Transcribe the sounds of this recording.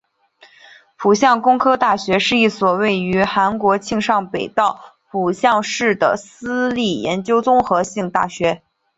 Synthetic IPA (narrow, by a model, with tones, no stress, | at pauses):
pʰu˨˩ɕjɑ˥˩ŋkʊ˥ŋkʰɤ˥t̪a˥˩ɕɥɛ˧˥ʂɻ̩˥˧i˥˩swɔ˨˩we˥˩ɪy˧˥xa˧˥nkwɔ˧˥t͡ɕʰi˥˧ŋʂɑ˥˩ŋpe˨˩ɪt̪ɑ˥˩ʊpʰu˨˩ɕjɑ˥˧ŋʂɻ̩˥˩d̪ə̰˩sɹ̩˥li˥˩jɛ̰˧˥nt͡ɕjo˥ʊt͡sʊ˥ŋxɤ˧˥ɕi˥˧ŋt̪a̰˥˩ɕɥɛ˧˥